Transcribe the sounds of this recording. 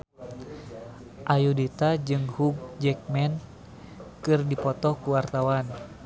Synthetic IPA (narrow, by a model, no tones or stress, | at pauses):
ʔajudit̪ad͡ʒɨŋhuɡ̚d͡ʒɛk̚mɛn | kɨrdipɔt̪ɔkuwart̪awan